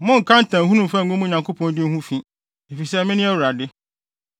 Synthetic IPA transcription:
mʊ̃˦ŋ̩˨kʰã˦n̩˦tʰã˨ɦũ˦nũ˨mfã˦ŋ̩˨ɡʊ˦mũ˦˨ɲã˨ŋkʰo˦pʰɔ̃˨n˦dɪ˦n̩˦hũ˦fĩ˦ | e˨fi˨sɛ˦mɪ̃˦nɪ̃˦æ˦wu˨ɾa˨dɪ˦

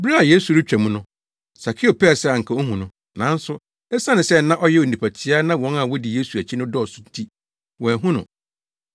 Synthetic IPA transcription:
bɾa˦a˨jeː˦su˨ɾɪ˦t͡ɕᶣæ˨mũ˦nʊ̃˦ | sa˨kʰɪ˦o˨pɛ˦˨sɛ˦a˨ŋ̩˨kʰã˨˦o˦ɦũ˨nʊ̃˦ | nã˨˦n˦sʊ˦ | ɛ˦sa˦nɪ̃˨sɛ˦nã˦ʔɔ˦jɛ˦o˨n˨ĩ˨pʰæ˨tʰɪ˦a˦nã˦wɔ̃˦na˦˨wɔ˦di˨je˦su˨æ˨t͡ɕʰi˦nʊ̃˦dɔ˦ɔ˨sʊ˦n̩˦tʰi˦ | wɔ˨æ˨ɦũ˦nʊ̃˨

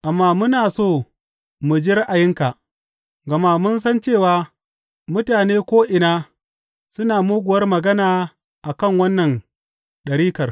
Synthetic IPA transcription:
ʔa˨mːaː˦mʊ˦naː˨soː˦˨ | mʊ˨d͡ʒi˦ɾɪ˦ʔa˨jɪ˦ŋka˨ | ɡɐ˨maː˦mʊ˦ns̬ɐ˦nt͡ʃeː˦˨waː˦ | mʊ˦taː˨neː˦kʷoː˦ʔɪ˨naː˦ | sʊ˦naː˨muː˦ɡʷʊ˨wɐ˦rmɐ˨ɡɐ˦naː˨ | ʔa˨kɐ˦˨ŋwɐ˦nːɐ˨n | ɗɐ˨ɾiː˦kɐ˨r

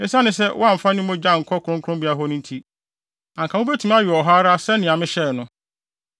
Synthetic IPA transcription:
ɪ˦sa˦nɪ̃˦s̬ɛ˦wʔɔ˦a˦m̩˨fa˦nɪ̃˦mõ˦d͡ʑa˦˨ŋ̩˨kʰɔ˦kʰʊ˨ɾʊ̃˦ŋkʰʊ˦ɾʊ̃˦mbi˦a˨ɦɔ˦nʊ̃˦n˦tʰi˦ | ã˨ŋkʰa˨˦ʊ̃˦be˦tʰũ˨m˦a˦ɥi˨ɔ˨ɦa˦ɾa˦sɛ˦nɪ̃˨a˨mɪ̃˦ɕɛ˦˨nʊ̃˦

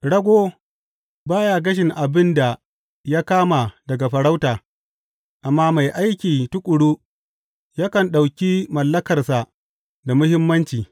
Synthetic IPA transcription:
ɽɐ˦ɡʷoː˦ | baː˦ja˦˨ɡɐ˦ʃ̬ɪ˨ŋʔa˨bɪ˦nda˨ | jaː˦kaː˦ma˨dɐ˨ɡa˨ɸɐ˨ɽa˦wtaː˨ | ʔa˨mːaː˦ma˨jʔa˦jkʲiː˨tʊ˦kʷʼʊ˨ɽuː˦ | ja˦kɐ˨nɗa˨wkʲi˦mɐ˨lːɐ˦kɐ˨rsa˨ | da˨mʊ˦hɪ˦mːɐ˦nt͡ʃiː˨

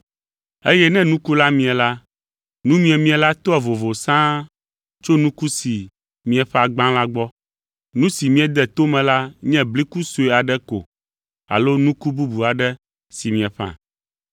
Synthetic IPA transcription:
e˦jɛ˦nɛ̃˦nũ˦ku˦la˦mĩ˨ɛ̃˨la˦ | nũ˦mĩ˦ɛ˨mĩ˦ɛ̃˨la˦t̪ɔ˦ɛ˨vo˨vo˨sã˦ | t͡ʃo˦nũ˦ku˦si˨ | mĩ˦ɛ˨ɸɛ˦a˨ɡ͡bã˦la˦ɡ͡bɔ˦ | nũ˦si˨mĩ˦ɛ˦d̪ɛ˨t̪o˦mɛ̃˨la˦ɲɛ̃˦bli˦ku˦so˨e˨a˨ɖɛ˦ko̰˨ | a̰˨lo˦nũ˦ku˦bu˦bu˨a˨ɖɛ˦ | si˨mĩ˨ɛ˨ɸã̰˨

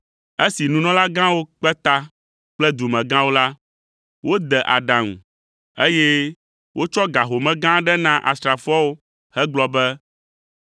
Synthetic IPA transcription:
e˦si˨nũ˨˦nɔ̃˦la˦ɡã˦wo˦k͡pɛ˦t̪a˦ | k͡plɛ˦d̪u˨mɛ̃˨ɡã˦wo˦la˦ | wo˦d̪ɛ˨ʔa̰˨ɖã˨ŋṵ̃˨ | e˦jɛ˦ | wʔo˦t͡ʃɔ˦ɡa˨ɦo˨mɛ̃˦ɡã˦ɖɛ˦nã˦ʔa̰˨st̪ɾa˨fɔ˦wo˦ | hɛ˦ɡ͡blɔ˦bɛ˦

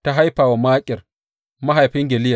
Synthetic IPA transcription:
ta˦ɦa˦jɸaː˨wa˨maː˦kʲʼɪ˨r | ma˦ɦa˨jɸɪ˦ŋɡʲɛ˨lɪ˦ja˨

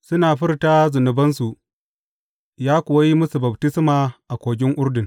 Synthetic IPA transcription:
sʊ˦naː˨ɸɪ˦rta˦zʊ˨nʊ˨bɐ˦nsu˨ | jaː˦kʷʊ˨wa˦ji˦mʊ˦su˨bɐ˨btɪ˦smaː˨ʔa˨kʷoː˨ɡʲɪ˦ŋʔʊ˦ɾdɪ˨ŋ

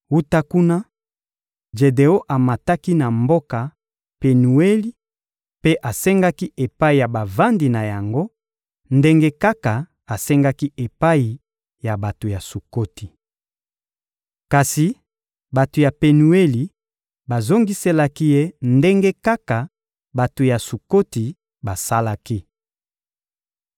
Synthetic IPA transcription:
u˦ta˦ku˦na˦ | ʒe˨de˨o˦ʔa˨ma˨ta˦ki˦na˨mbo˦ka˨ | pe˨nu˨e˦li˦ | pe˦ʔa˨sɛ˦ŋɡa˦ki˦ʔe˨pa˦i˨ja˨ba˨va˦ndi˨na˨ja˨ŋɡo˦ | nde˦ŋɡe˦ka˦ka˨ | a˨sɛ˦ŋɡa˦ki˦e˨pa˦i˨ | ja˨ba˨to˨ja˨su˨ko˦ti˨ | ka˨si˨ | ba˨to˨ja˨pe˨nu˨e˦li˨ | ba˨zo˦ŋɡi˦se˦la˦ki˦je˦nde˦ŋɡe˦ka˦ka˨ | ba˨to˨ja˨su˨ko˦ti˨ | ba˨sa˦la˦ki˦

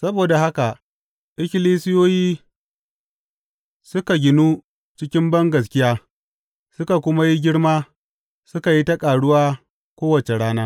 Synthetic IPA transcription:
sɐ˦boː˨da˨ɦa˦ka˨ | ʔɪ˦kʲɪ˦liː˦sɪ˦joː˦jiː˦ | sʊ˦ka˨ɡʲɪ˨nu˦ | t͡ʃɪ˦kʲɪ˦mbɐ˦ŋɡɐ˨s̬kʲɪ˦jaː˦ | sʊ˦ka˨kʷʊ˦ma˦ji˦ɡʲɪ˦ɽmaː˦ | sʊ˦ka˨ji˦ta˦kʼaː˨ɽʊ˦waː˦ | kʷoː˦wɐ˨t͡ʃe˨ɽaː˦naː˦

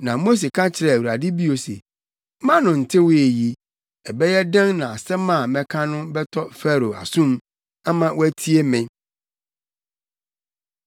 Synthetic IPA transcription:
nã˨mo˦s̬e˨kʰã˦t͡ɕʰɪ˨ɾɛ˨æ˨wu˨ɾa˨dɪ˦bi˦o˨sḛ˨˦ | mã˦nʊ̃˨n̩˨tʰɪ˦wʊ˦e˨ji˦ | ɛ˨bɛ˦jɛ˦dɛ̃˦nnã˨a˨sɛ˦mã˦˨mɛ̃˦kʰã˦nʊ̃˦bɛ˦tʰɔ˦fɛ˦˨ɾo˨a̰˨sũ˦m | a˦mã˦wæ˦tʰi˦e˦mɪ̃˦

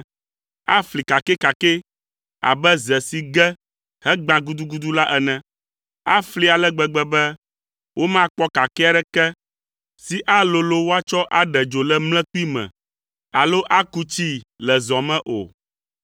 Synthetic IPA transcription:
a˦fli˨ka˨kɛ˦ka˨kɛ˦ | a̰˨bɛ˦zɛ˨si˨ɡɛ˦ | hɛ˦ɡ͡bã˨ɡu˦d̪u˦ɡu˦d̪u˦la˦ʔɛ˨nɛ̃˦ | a̰˦fli˦a˨lɛ˦ɡ͡bɛ˨ɡ͡bɛ˦bɛ˦ | wʔo˦mã˦k͡pɔ˦ka˨kɛ˦a˦ɖɛ˦kɛ˦ | si˦ʔa˦lo˨lo˦wo˦a˦t͡ʃɔ˦ʔa˦ɖɛ˨d͡ʒo˨lɛ˦mlɛ̃˦k͡pu˦i˦mɛ̰̃˨ | a˨lo˦ʔa˦ku˦t͡ɕi˦lɛ˨zɔ̃˨mɛ̃˦ʔo̰˨

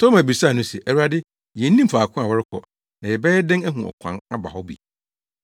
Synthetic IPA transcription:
tʰɔ˦mæ˨bi˨ɾsa˦˨nʊ̃˦sɛ̰˨ʔæ˨u˦a˦dɪ˦ | jɛ˨n̩˦nĩ˦m̩˦fa˨kʰʊ̃˦a˨wɔ˦ɾɪ˦kʰɔ̰˨ | nã˨jɛ˨bɛ˦ɛ˦dɪ̃˦ŋæ˦ɦũ˨ɔ̰˨kʷʰã̰˦na˦ba̰˨hɔ˦bḭ˨

